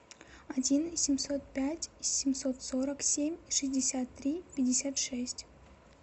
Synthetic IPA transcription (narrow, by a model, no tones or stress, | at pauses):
adʲinsʲimʲsot̪̚pʲætʲsʲimʲsot̪soɾaksʲe̞mʲʂɨzʲdʲɪsʲat̪ːɾʲipʲɪdʲɪsʲat̪ʂesʲtʲ